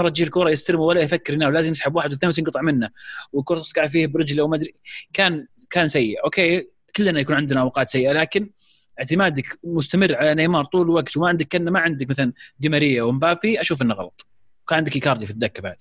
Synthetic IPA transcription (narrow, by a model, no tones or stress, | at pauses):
ɾˤɑt̪ːd͡ʒiːlkʊːɾˤɑjɪst̪aɾɪmuwalːajfakːɪɾɪnaːwlaːzɪmjɪsħabwaːħɪd̪wɪθanːwt̪ɪnɡɑt̪ˤɨʕmɪnːawɪkʊːɾˤɑt̪ɪ̥sɡɑʕfiːhbɾɪd͡ʒlʔawmad̪ɾikaːnkaːnsajːɪʔʔoːkeː | kʊlːnajakuːnʕɪnd̪ɪnaʔawqɑːt̪sajːʔalaːkɪn | ʔɪʕt̪ɪmaːd̪akmʊst̪amɪrːʕalanajmɑːɾˤt̪ˤuːlɪlwaɡt̪wmaʕɪnd̪akːanːamaʕɪnd̪akmaθaland̪ɪmaɾɪjːawɪmbaːpiʔaʃuːfʔɪnːaɣɑlɑ̰t̪ˤ | kaːnʕɪnd̪ɪkɪkɑːɾˤd̪ifit̪̚d̪akːabaʕd̪